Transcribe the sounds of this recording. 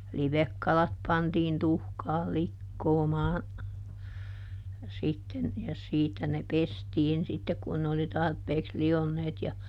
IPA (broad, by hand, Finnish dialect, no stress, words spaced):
liʋekːɑlɑt pɑntiːn tuhkɑːl̆ likːoːmɑː sitːen jɑ siːtæ ne pestiːn sitːek kun ne oli tɑrpeːks lionːeːt jɑ